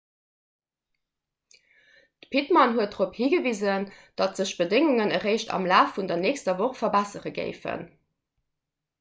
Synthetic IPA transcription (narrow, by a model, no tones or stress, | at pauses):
d̥əpʰitmɑnɦuət̚dʁophiːɡəviːzənd̥ɑtz̥əɕb̥ədɪŋuŋənəʁeɪʃtɑ̰mlaːfːundɐneːkstɐvoχfɐbæsəʁəɡḛɪfə̰n